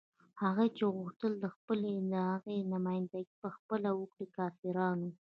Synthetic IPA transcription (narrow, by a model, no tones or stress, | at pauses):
haɣat͡ʃeɣuxt̪əld̪əxpəled̪əhaɣenamɑjɪnd̪aɡipəxpəlawəkɽikɑfiɾɑnu